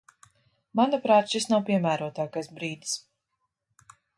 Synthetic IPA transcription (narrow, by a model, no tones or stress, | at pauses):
manapɾaːt̪ʃisnawpiɛmæːɾuɔt̪aːkajsbɾiːd̪is